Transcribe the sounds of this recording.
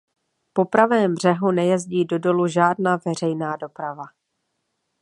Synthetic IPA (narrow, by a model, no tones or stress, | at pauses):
po̞pɾavɛːmbr̝̥ɛɦunɛjɛzɟiːdo̞do̞luʒaːdnaːvɛr̝ɛjnaːdo̞pɾava